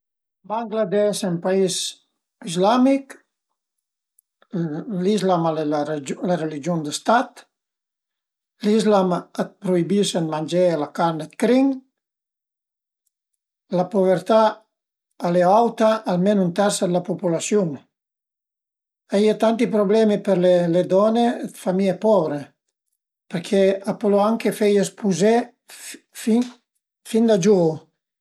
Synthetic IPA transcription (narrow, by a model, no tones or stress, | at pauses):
baŋɡlad̪ɛʃempais | izlamik | lizlamalelerelid͡ʒiond̪əst̪at̪ | lizlamat̪̚pɾuibisənmanʲd͡ʒelakaɾnət̪kɾiŋ | lapuβəɾt̪aː | leawt̪aʔːlmɛnunt̪ɛɾsad̪lapupulasjuŋ | aiat̪ant̪ipɾoblɛmipeɾleled̪ɔned̪famiepɔbɾe | peɾkʰɛapoloaŋkefɛjespuzɛ | fi | find̪ad͡ʒu